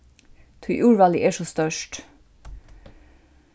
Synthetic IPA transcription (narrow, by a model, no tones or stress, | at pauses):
t̪ʰʉʔuːɹʋɑːlɪʔeːʃoːst̪œʃʈ